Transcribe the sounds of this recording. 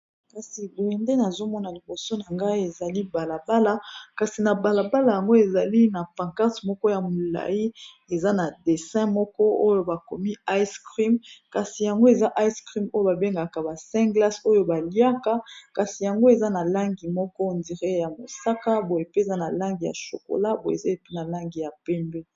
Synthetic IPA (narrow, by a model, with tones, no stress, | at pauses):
ka˨si˨bo˨ɛ˨nde˦na˨zo˦mɔ˦na˨li˨bo˨so˦na˨ŋɡa˦i˦e˨za˨li˦ba˨la˨ba˦la˦ka˨si˨na˨ba˨la˨ba˦la˨ja˨ŋɡo˦e˨za˨li˦na˨pa˨ŋka˦tmɔ˦kɔ˦ja˨mo˨la̰˨i˦ | e˨za˦na˨de˨sɛ̃˦mɔ˦kɔ˦o˦jo˦ba˨ko˨mi˦a˦jskʁi˦mka˨si˨ja˨ŋɡo˦e˨za˦ʔa˦jskʁi˦mo˦jo˦ba˨be˦ŋɡa˨ka˨ba˨sɛ̃˦ɡla˦so˦jo˦ba˨li˦a˦ka˦ka˨si˨ja˨ŋɡo˦e˨za˦na˨la˦ŋɡi˨mɔ˦kɔ˦˨ndi˨ʁe˦ja˨mo˨sa˦ka˦bo˨e˨pe˦˨za˦na˨la˦ŋɡi˨ja̰˨ʃo̰˨ko̰˨la˦bo˨e˨ze˦˨pe˦na˨la˦ŋɡi˨ja˨pɛ˦mbe˦